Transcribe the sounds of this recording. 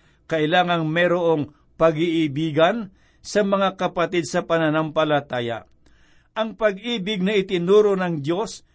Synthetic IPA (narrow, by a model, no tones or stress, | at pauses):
kɐʔɪlaːŋɐŋmɛɾoʔo̞ŋ | pɐɡiʔɪbiːɡɐn | sɐmɐŋakɐpɐt̪id̪̚sɐpɐnɐnampɐlɐt̪aːja̰ | ʔɐŋpɐɡ̚iːbɪɡ̚nɐʔɪt̪ɪnuːɾonɐŋd̪jo̞s